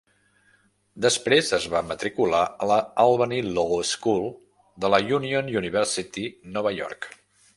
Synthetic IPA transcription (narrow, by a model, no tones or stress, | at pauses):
d̪əspɾezəzβamət̪ɾikulaələalˠβəniloskulˠ | d̪ələjunionjuniβɛɾsit̪inɔβəjɔ̰rk